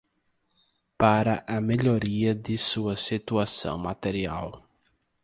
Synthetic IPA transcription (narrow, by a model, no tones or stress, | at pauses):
paɾɐʔɐmeʎoɾiɐd̪ɪsuɐsit̪uasɐ̰̃w̃mat̪eɾia̰w